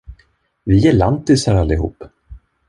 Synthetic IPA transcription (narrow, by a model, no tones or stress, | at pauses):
vɪjɛɭant̪ɪsaɾalːɪɦṵːp